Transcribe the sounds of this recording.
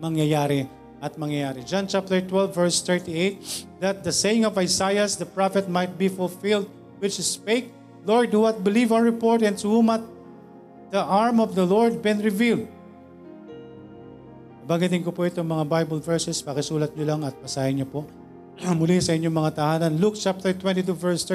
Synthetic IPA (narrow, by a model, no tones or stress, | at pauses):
mɐŋjɐjaːɾɪ | ʔɐt̪̚mɐŋjɐjaːɾɪd͡ʒant͡ʃap̚t̪ɛɹt̪wɛlvːɛɹst̪ɛɹt̪iejt̪̚d̪ɐt̪̚d̪ɐsejɪ̃ŋɔvajsajɐsd̪ɐpɹafɛt̪̚majt̪̚bifʊlfɪld̪̚ | wɪt͡ʃspeɪk̚ | loɹd̪̚huwat̪̚bɪlivawɹɪpoɹt̪ɛ̃nshumɐt̪̚ | d̪̥ɐʔaɹmɔvd̪ɐlɔɹd̪̚bɪ̃nɹɪvild̪̚ | ɐbɐŋɡɐt̪̬ɪŋkʊpoɪt̪oŋmɐŋabajbɐlvɛɹsɛspɐkɪsuːlɐt̪̚ɲolaŋɐt̪̚pɐsaːhɪɲopoʔ | mʊlɛsɐʔɪɲːoŋmɐŋat̪ɐhaːnɐnluk̚t͡ʃap̚t̪ɛɹt̪wɛ̃nt̪it̪̬uvɛɹst̪ɛ